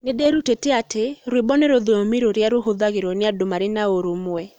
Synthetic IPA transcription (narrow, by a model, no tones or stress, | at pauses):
nɪdeɾuteteateɾwɪbɔneɾoðoomiɾoɾjaɾoɦoðaɣɪɾonɪadomaɾɪnaoɾumwɛ